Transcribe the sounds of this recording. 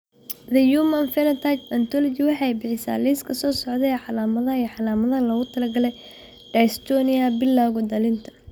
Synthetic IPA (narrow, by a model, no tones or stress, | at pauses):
d̪ɐjumɐnfɛlɐt̪ʰajt̪ɐnt̪ʰɔlɔt͡ʃɪwɑħɑjbɪħɪsa̰ːliskʰɐsɔːsɔʕd̪ɛɛːħɑlaːmɐðɐiːħɑlaːmɐðɐɐlɐɣʊt̪ʰɐlɐɡɐlɛj | ɖɐjst̪ʰɔnɪɐbɪlːaːɣɔd̪ɐlɪnt̪ʰɐ̥n